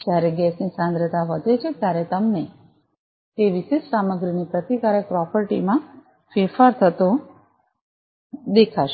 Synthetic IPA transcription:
d͡ʒjaɾeɡɛsnisãnd̪ɾət̪aʋəd̪ʱet͡ʃʰet̪jaɾɛt̪əmne | t̪eʋiʃesaməɡɾinipɾət̪ikaɾək̚pɾɔpəɾʈḭmã | fefaɾt̪ʰət̪o | d̪ekʰaʃ

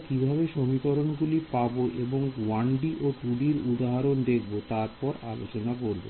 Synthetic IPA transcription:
kibʱabeʃomikoɾonɡulipaboʔeboŋwaɳɖiʔoʈuɖiɾud̪aɦaɾond̪ekʰbot̪aɾpɔɾalo̰t͡ɕonakoɾbo̰

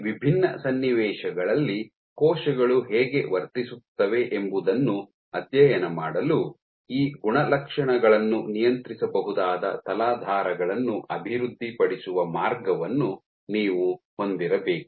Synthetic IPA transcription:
ʋibʱinːɐ̰sɐnːiʋɛːʃɐɡɐɭɐlːi | kɔːʃɐɡɐɭuɦɛːɡe̞ʋɐɾt̪isut̪ːɐʋe̞ʔembud̪ɐnːu | ɐt̪jɐjɐnɐmaːɽɐlu | iːɡuɳɐlɐkʂɐɳɐɡɐɭɐnːunijɐnt̪ɾisɐbɐɦud̪aːd̪ɐ̰t̪ɐlaːd̪ʱaːɾɐɡɐɭɐnːuʔɐbʱiɾud̪ʱːipɐɽisuʋɐmaːɾɡɐʋɐnːu | niːʋuho̞nd̪iɾɐbeːkuu̥

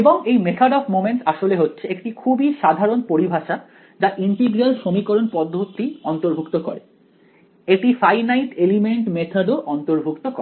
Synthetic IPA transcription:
eboŋejmet̪ʰaɖɔfmomeɳʈsaʃoleɦotːɕʰeekʈikʰubiʃad̪ʱaɾonpoɾibʱaʃa | d͡ʑaʔinʈiɡɾialʃomikoɾonpɔd̪ʱːot̪iɔnt̪oɾbʱukt̪okɔɾe | eʈifajnajʈelimeɳʈmet̪ʰaɖoʔɔnt̪oɾbʱukt̪okɔɾe

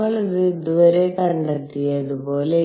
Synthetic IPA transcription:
ɐɭiðɯd̪uʋɐɾekɐɳɖɐt̪ːijɐðɯpoːle

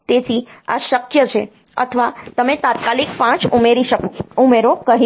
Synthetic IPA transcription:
t̪et̪ʰia̰ʃəkjət͡ʃʰe | ə̰t̪ʰəʋat̪əmet̪at̪̚kalikpãt͡ʃumeɾiʃəkoumeɾokəɦi

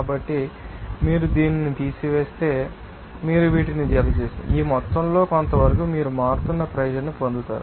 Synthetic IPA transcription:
kaːbɐʈːimiːɾud̪iːninit̪iːsiʋe̞ːst̪e̞ː | miːɾuʋiːʈinid͡ʒɛlɐt͡ʃe̞ːsind̪ḭiːmɔt̪ːɐmlo̞ːkont̪ɐʋɐɾɐkuːmiːɾumaːɾt̪unːɐpɾɐjɐd͡ʒɐnːipond̪ut̪a̰ːɾu

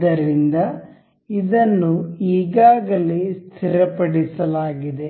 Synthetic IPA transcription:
ɐɾind̪ɐ | id̪ɐnːuiːɡaːɡɐliest̪ʰiɾɐpɐɽisɐlaːɡid̪e̞

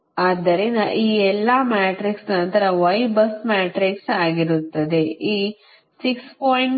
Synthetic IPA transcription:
aːd̪ɐɾinɐʔiːɛlːɐmaːʈɾiksnɐnt̪ɐɾɐʋɐjbɐsmaːʈɾiksaːɡiɾut̪ːɐd̪eiː | sikspoːiɳ

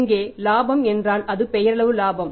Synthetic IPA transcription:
ŋɡeːlaːbɐmɛndraːnɐðɯpɛjɐɾɐɭɐʋɯlaːbɐm

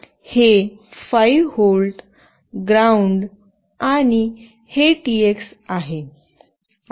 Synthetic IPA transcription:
hefajholʈ | ɡɾauɳɖ | aɽ̃i | heʈieksaɦe

